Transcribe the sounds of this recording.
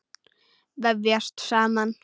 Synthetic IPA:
ðɛvjɛst̪saːman

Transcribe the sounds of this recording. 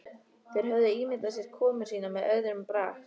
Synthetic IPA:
θejɾ̥ɦœvðʏiːmɪt̪las̬ɛɾ̥kʰɔːmʏ̥siːnamɛðœðɾʏmpɾaːxt̪

